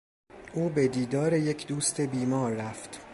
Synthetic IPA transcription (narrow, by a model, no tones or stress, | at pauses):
ʔuːbed̪iːd̪ɒːɾe̞je̞cʰd̪uːst̪e̞biːmɒːɾːæft̪